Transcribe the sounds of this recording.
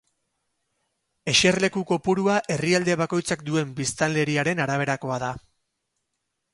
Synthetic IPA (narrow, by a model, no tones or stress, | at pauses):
e̞ʃe̞rle̞kuko̞puɾuaʔe̞riald̪e̞βako̞jt͡sakd̪ue̞mbist̪ale̞ɾiaɾe̞naɾaβ̞e̞ɾako̞aða